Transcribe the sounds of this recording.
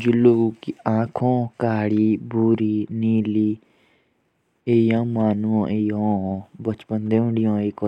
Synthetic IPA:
d͡ʒuloːɡuːkiãːkʰõːkaːɽiːbuːɾiːniːliː | eːjãːmaːnuõːʔeːjõːbət͡ʃpənd̪eːɦʊ̃ɳɖɪjõːeːkɔ

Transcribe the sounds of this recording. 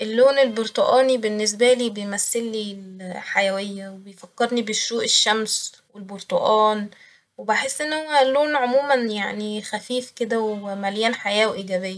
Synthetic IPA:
ʔelːoːnelboɾt̪ˤoʔɑːnibenːes̬bæliːbejmæsːelːiːlħajæwejːæwebejfækːeɾnibeʃːuːʔeʃːæms | welboɾt̪ˤoʔɑːn | webaħesːʔenːhowːælːoːnʕomuːmænjaʕnixæfiːfked̪æwmæljæːnħajæːwʔiɡæbejːæ

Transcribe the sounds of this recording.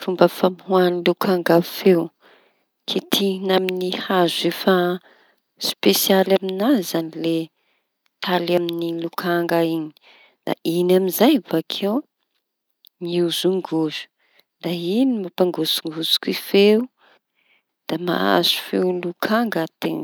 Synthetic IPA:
fumbəfamhwanilukʰaŋɡafew | kʰit̪ʰinaminihazefa | spesialaminazanile | t̪ʰalaminilukʰaŋɡaiɲi̥ | d̪̥a̰ʔinaminzajvakʰew | miuzuŋɡuz̥u̥ | d̪̥ainimapaŋɡusuŋɡuzu̥kifeu | d̪̥ama̰a̰z̥u̥fewlukʰaŋɡət̪ḛn

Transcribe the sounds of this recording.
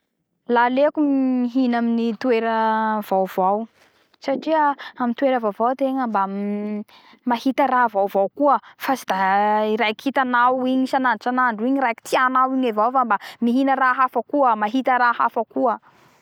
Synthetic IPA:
lalekuiɦinaminit̪weɾəv̥awv̥aw | saʈ͡ʂiəamint̪weɾəvavawt̪eŋəmba | mahit̪əɾavawvawkuəfasid̪aiɾajkhit̪anawiɲisananʈ͡ʂanaɳɖ͡ʐuiɲiɾajki̥t̪ianawiɲevawfambamiɦinəɾaɦafakuəmaɦit̪əɾahafakuə

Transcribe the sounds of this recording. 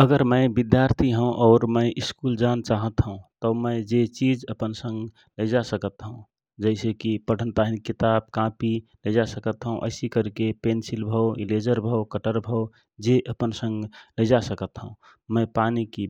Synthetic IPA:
əɡəɾməɪbid̪jaɾt̪ʰiɦə̃ũʔɔːɾməɪʔiskuld͡ʒant͡ʃaɦət̪ɦəũt̪əməɪd͡ʒet͡ʃid͡ʒəpənsə̃ŋɡ | ləd͡ʒasəkət̪ɦə̃ũ | d͡ʒəɪsekipəɽ̤ənt̪aɦinkit̪ab̚kãpiləd͡ʒasəkət̪ɦəũʔə̰ɪsikəɾkepensilbʱəwiled͡ʒəɾbʱəwkəʈəɾbʱəw | d͡ʒeʔəpənsə̃ŋɡləd͡ʒasəkət̪ɦə̰̃ũ | məɪpaniki

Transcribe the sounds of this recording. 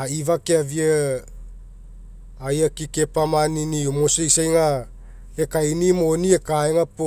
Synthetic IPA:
aivakeaviə | ajakikepamaniniomosejsajŋa | ekainimoniekaeŋapo

